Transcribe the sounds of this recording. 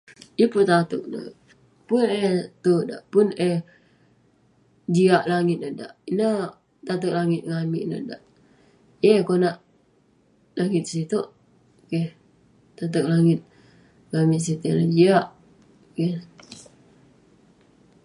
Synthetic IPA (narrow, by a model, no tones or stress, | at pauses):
jəpʊt̪at̪uk̚na̰ | pʊnet̪oda̰ʔpʊneh | d͡ʒiaʔlaŋɪt̪̚nəda̰ʔinə | t̪at̪̬uk̚laŋɪt̪̚ŋamiʔnə̰da̰ʔ | jekonaʔ | laŋɪt̪̚sit̪oʔ | keh | t̪at̪̬ək̚laŋɪt̪̚ | ŋamiʔsit̪oʔnad͡ʒiaʔ | ke